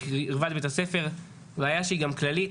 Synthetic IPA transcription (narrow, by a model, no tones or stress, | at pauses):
ʁvad̪betase̞feʁ | veajaʃeiɡamklalit